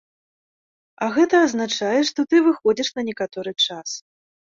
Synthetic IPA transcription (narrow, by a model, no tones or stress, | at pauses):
ɐɣɛt̪ɐːznat͡ʂajɛʂt̪ɔt̪ɨvɨxɔd͡zʲɛʂnɐnʲɛkat̪ɔɾɨt͡ʂas